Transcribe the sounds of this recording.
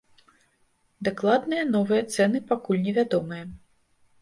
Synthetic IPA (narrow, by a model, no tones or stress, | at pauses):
d̪aklˠad̪nɨjɐnɔvɨjɐt̪sɛnɨpakulʲnʲɛvʲad̪ɔmɨjɐ